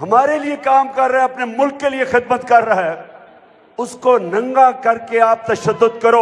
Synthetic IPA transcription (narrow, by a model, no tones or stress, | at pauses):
ɦɐmaːɾeliekaːmkɐɾːɐɦɛɐpnemʊlkːeliexɪd̪mət̪kɐɾːɐɦɛ | ʊskonɐ̃ŋɡakɐɾkeaːp̚t̪ɐʃəd̪ːʊd̪kɐɾoː